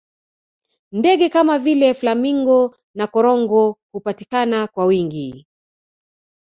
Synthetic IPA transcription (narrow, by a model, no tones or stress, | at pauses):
ndɛɠɛkamavilɛflamiŋɡɔ | nakɔɾɔŋɡɔhupatikanakwawiŋɡi